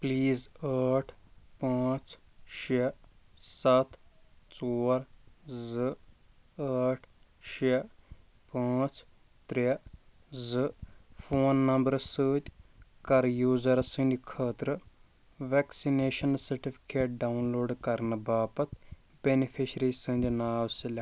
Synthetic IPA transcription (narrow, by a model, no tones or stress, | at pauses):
pliːzaːʈʰpãːt͡sʃe | sɐt̪t͡soːɾzɨ | aːʈʰ | ʃe | pãːt͡s | t̪ɾe | zɨfʰoːnːɐmbəɾsəːt̪ʲkɐɾjuːzɐɾsɨ̃nd̪ʲikʰəːt̪ɾɨ | ʋeːksineːʃɐnsɐɾʈipʰi̥keːʈ̚ɖaunloːɖkɐɾnɨbaːpɐt̪ | benipʰiʃɾisɨnd̪ʲinaːʋsilʲɐ